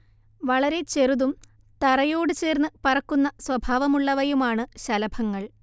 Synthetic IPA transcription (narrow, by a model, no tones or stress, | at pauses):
ʋɐɭɐɾe̞t͡ɕe̞ruðum | t̪ɐrɐjo̞ːɽɨt͡ɕe̞ːrnːɨpɐrɐkːunːɐswɐbʱaːʋɐmuɭːɐʋɐjumaːɳɨɕɐlɐbʱɐŋːɐɭ